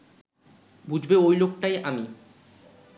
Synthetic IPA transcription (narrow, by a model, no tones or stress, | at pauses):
bud͡ʑʱbeojlok̚ʈajʔami